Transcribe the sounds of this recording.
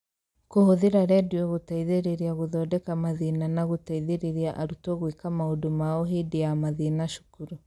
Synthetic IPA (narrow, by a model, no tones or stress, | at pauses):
kohoðiɾaɾɛdiɔɣotaiðeɾeɾiaɣoðɔːdɛkamaðinanaɣotaiðeɾeɾiaʔaɾutɔɣwikamaodomaoɦediamaðinaʃu̥kuɾu